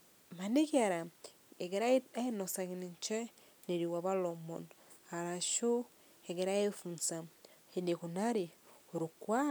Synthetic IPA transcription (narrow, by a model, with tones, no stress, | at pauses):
ma˨ne˦kia˨ɾa˨ | e˨ɡeɾa˦a˦e˦nosa˨ɣiniɲt͡ʃe˦ | ne˨ɾiwa˨βa˦lomo̰˨n | a˨ɾa˨ʃo˦ | eɡeɾa˦jefu˨nsa˨enekuna˦ɾi˨o˨ɾukwa˦